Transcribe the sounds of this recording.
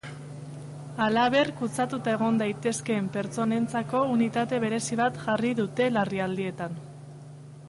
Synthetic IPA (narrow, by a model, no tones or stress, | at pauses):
alaβ̞e̞rkut͡sat̪ut̪ae̞ɣ̞o̞nd̪ajt̪e̞ske̞mpe̞ɾt͡so̞ne̞nt͡sako̞unit̪at̪e̞β̞e̞ɾe̞siβat̪ʝariðut̪e̞lariald̪ie̞t̪an